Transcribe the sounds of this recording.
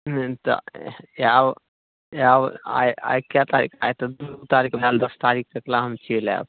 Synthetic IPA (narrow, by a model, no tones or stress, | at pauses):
nt̪ɔ̰jab | jaba̰ja̰jkjat̪aɾḭkʰajt̪ɔd̪ut̪aɾikməlald̪əst̪aɾik̚ʰɾəklaɦəmt͡ʃʰela̰b